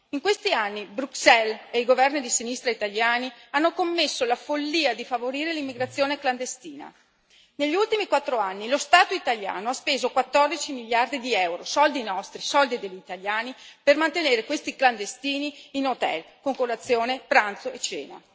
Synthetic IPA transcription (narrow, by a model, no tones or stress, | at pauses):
iŋkwest̪ianːibɾuksɛleiɡovɛrnid̪isinist̪ɾait̪aʎjaːnianːokomːesːolafolːiːad̪ifavoɾiːɾelimːiɡɾat̪sːjoːnekland̪est̪iːna̰ | neʎːiult̪imikwat̪ːɾoanːilost̪aːt̪oit̪alʎja̰ːnoaspeːzokwat̪ːɔrd̪it͡ʃimiʎːard̪id̪iɛwɾosɔld̪inɔst̪ɾisɔld̪id̪eʎːit̪aʎjaːnipermant̪eneːɾekwest̪ikland̪est̪iːniːnot̪ɛ̰lkoŋkolːat̪sːjoːnepɾant̪soet͡ʃːɛ̰ːna̰